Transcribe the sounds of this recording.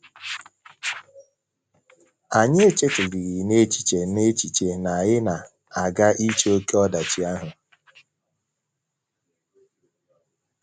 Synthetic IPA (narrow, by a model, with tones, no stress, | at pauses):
a˨ɲe˦e˦t͡ʃe˦tʊ˨ɾɪ˨ɣɪ˨ne˦t͡ʃi̥˨t͡ʃe˨ne˦t͡ʃi˨t͡ʃe˨na˨ɣɪ˦na˨ | a˨ɡa˦ʔi˦t͡ʃe˦o˦ke˦ɔ˦da˨t͡ʃi˨a˦ɦʊ˨